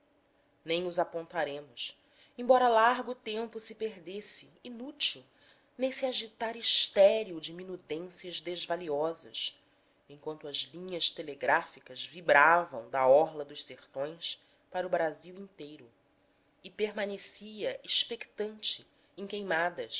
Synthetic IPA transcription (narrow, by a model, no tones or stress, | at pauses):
nẽj̃ʊzapõnt̪aɾẽmʊs | ẽbɔɾɐlaɾɡʊt̪ẽmpʊsɪpeɾd̪esɪinut͡ʃiw | nẽj̃siaʒit̪aɾiʃt̪ɛɾiud͡ʒɪminud̪ẽsiɐʒd̪ezvaliɔzɐs | ẽŋkwɐ̃nt̪ʊɐzlĩɲɐʃt̪eleɡɾafikɐzvibɾavɐ̰̃w̃d̪ɐɔɦlɐd̪ʊʃseɾt̪õj̃s | paɾʊbɾaziwĩnt̪ejɾʊ | ɪpeɾmanesiɐʔiʃpekt̪ɐ̃nt͡ʃɪ | ẽkejmad̪ɐʃ